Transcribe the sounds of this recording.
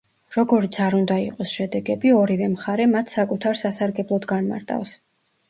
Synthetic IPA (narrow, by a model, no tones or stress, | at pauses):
ɾɔɡɔɾit̪sʰaɾund̪aiqʼɔsʃɛd̪ɛɡɛbiɔɾivɛmχaɾɛmat̪ʰsakʼut̪ʰaɾsasaɾɡɛblˠɔd̪ɡanma̰ɾt̪ʼa̰fs